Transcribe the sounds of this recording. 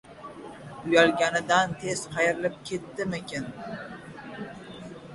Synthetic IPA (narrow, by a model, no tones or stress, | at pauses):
ʊjalɡʲanɪd̪ant̪ʰez̥qɑjɾɪlɪp̚kʲʰe̞t̪ːɪmɪkʲen